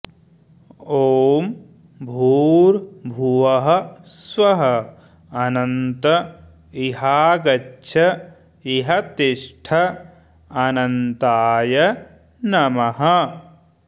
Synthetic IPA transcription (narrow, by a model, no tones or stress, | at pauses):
oːm | bʱuːɾbʱuʋɐɦɐswɐɦɐ | ɐnɐnt̪ɐ | iɦaːɡɐtːʃʰɐ | iɦɐt̪iʂʈʰɐ | ɐnɐnt̪aːjɐ | nɐmɐɦɐ